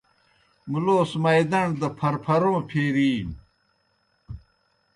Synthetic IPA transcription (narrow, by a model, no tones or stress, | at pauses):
muloːsmɐjd̪ɐɳd̪ɐpʰɐɾpʰɐɾõːpʰeːɾiːm